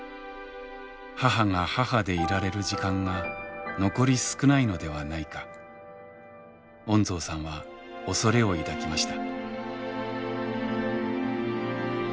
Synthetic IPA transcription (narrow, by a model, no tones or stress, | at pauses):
haɦaŋahahad̪e̞iɾaɾe̞ɾɯ̟ʑikãŋɡano̞ko̞ɾʲisɨ̥kɯ̟naino̞d̪e̞βanaikḁ | õ̞nzo̞ːsãɰ̃βa | o̞so̞ɾe̞o̞id̪akʲimaɕi̥t̪ḁ